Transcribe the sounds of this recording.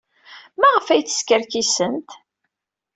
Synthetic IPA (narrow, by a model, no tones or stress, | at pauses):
mæʁəfæjθə̥skəɾkisənt̪